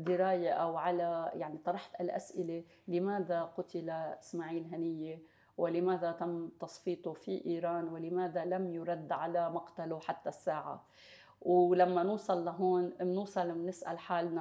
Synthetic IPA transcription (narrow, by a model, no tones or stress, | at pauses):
d̪ɪɾaːjaʔawʕalajaʕnit̪ˤɑɾˤɑħt̪alʔa̰sʔɪle | lɪmaːd̪aqʊt̪ɪlaɪsmaːʕiːlɦanɪjːe | wɪlɪmaːd̪at̪amːt̪ɑsˤfiːt̪ˤufiʔiːɾɑːnwɪlɪmaːd̪alamjʊɾˤɑd̪ːʕalamɑqt̪aluħat̪ːasːaːʕa̰ | wlamːanuːsˤɑlːaɦoːnnuːsˤɑlnɪsʔa̰lħaːlna